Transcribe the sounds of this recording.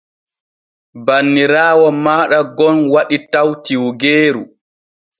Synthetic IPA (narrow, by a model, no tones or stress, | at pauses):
banːiɾaːwɔmaːɗaɡɔnwaɗitawtiwɡeːɾu